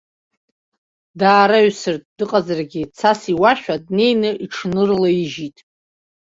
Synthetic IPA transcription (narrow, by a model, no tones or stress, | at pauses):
daːɾaɥsɨrtʼdɨqʼazarɡʲɪt͡sʰasiwaʃᶣadne̞jnɨʔiʈ͡ʂʰnɨrlaiʒitʼ